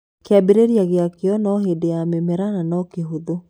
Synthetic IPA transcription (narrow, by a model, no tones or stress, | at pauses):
keabeɾeɾjaɣeakeɔnɔɦedeamemɛɾananɔkeɦoðo